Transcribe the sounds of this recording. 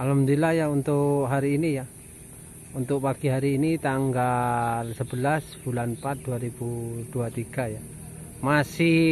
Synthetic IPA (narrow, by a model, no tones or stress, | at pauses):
alamdilajaunt̪ʊkɦaɾiːnija | unt̪ʊk̚pakiɦaɾiːnit̪aŋɡalsəbəlasb̥ulanpat̪̚duaɾibuduat̪iɡ̥aja | masi